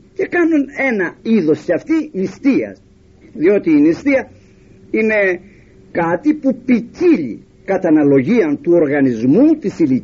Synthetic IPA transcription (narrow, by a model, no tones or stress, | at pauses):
ce̞kɐnune̞nɐiðo̞scɐft̪imist̪iɐ̰s | ðio̞t̪iːnist̪iɐ | ine̞ | kɐt̪ipupiciʎḭ | kɐt̪ɐnɐlo̞ʝiɐnt̪uo̞ɾɣɐnizmut̪isili